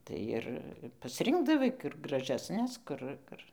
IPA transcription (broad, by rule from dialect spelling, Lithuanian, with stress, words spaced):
ˈtɐɪ ɪr pɐsʲˈrʲɪŋɡdɐʋɐɪ kʊr ɡrɐʒʲɛsʲˈnʲɛs ˈkʊr ˈkʊr